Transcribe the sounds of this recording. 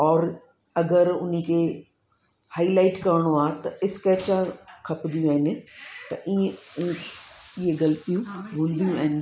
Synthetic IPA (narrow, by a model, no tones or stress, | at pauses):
ɔːɾ | ɐɡəɾʊnikʰeː | haːilaːɪʈkɐɾɽ̃oaːt̪ɐɪskɛːt͡ɕãkʰɐpnd̪ijũaːɪnɪ̆t̪ɐʔiẽ | ɪɦeɡɐlt̪ijũbũːnd̪ijũaɦɪnɪ